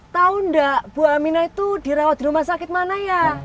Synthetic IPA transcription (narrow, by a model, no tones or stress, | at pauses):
t̪aʊndaʔb̥uaminait̪ud̥iɾawat̪̚d̪iɾumasakɪt̪̚manaja